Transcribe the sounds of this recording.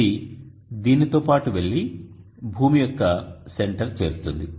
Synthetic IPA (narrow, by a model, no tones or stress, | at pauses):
i | d̪iːnit̪oːpaːʈuʋe̞ɭːi | bʱuːmijɔkːɐse̞ɳʈɐɾt͡ʃe̞ːɾut̪und̪i